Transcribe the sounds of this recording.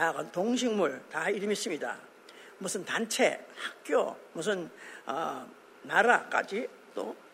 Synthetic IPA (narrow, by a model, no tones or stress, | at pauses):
aɡʌntoŋɕ̬ʰiŋmuɭtaiɾɯmis͈ɯmɲida̰ | musʰɯntant͡ɕʰe̞̰hak̚k͈jo̰mus̬ʰɯnʌ̰ː | aɾak͈a̰d͡ʑi | t͈o̰